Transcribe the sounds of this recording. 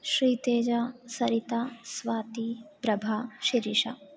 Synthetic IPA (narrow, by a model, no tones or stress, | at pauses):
ʃɾiːt̪eːd͡ʒasɐɾit̪asʋaːt̪ipɾɐbʱaːʃiɾiʃɐ̰